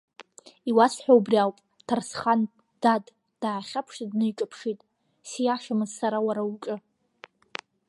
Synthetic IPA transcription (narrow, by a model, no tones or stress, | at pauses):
iwasħʷᶣawbriawpʼ | tʰarsχan | d̥ad | d̥aʕːχʲapʰʂadnɨiʈ͡ʂʼɨpʰʂitʼ | sijaʂamɨzsaɾawaɾaut͡ʃʼɨ